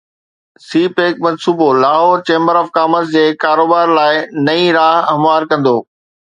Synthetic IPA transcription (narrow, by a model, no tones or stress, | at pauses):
siːpeːkmɐ̃nsuːbolaːɦoːɾt͡ɕẽːmbəɾɔːfkaːməzd͡ʑeːkaːɾoːbaːɾlaːɪnɐĩɾaːɦɐmʋaːɾkɐ̃nd̪oː